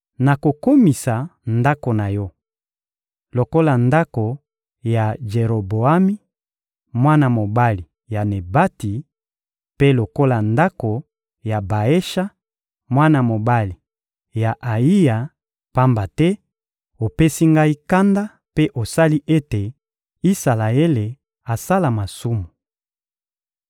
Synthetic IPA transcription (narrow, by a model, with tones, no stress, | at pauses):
na˨ko˨ko˦mi˨sa˨nda˦ko˨na˨jɔ˦ | lo˨ko˦la˨nda˦ko˨ | ja˨ʒe˨ʁo˨bo˨a˦mi˦ | mwa˦na˨mo˨ba˦li˨ | ja˨ne˨ba˦ti˨ | pe˦lo˨ko˦la˨nda˦ko˨ | ja˨ba˨e˦ʃa˦ | mwa˦na˨mo˨ba˦li˨ | ja˨ʔa˨i˦ja˨ | pa˦mba˨tɛ˦ | o˨pe˦si˦ŋɡa˦i˦ka˦nda˦ | pe˦ʔo˨sa˦li˦ʔe˦te˨ | i˦sa˨la˨e˦le˨ | a˨sa˦la˨ma˨su˦mu˨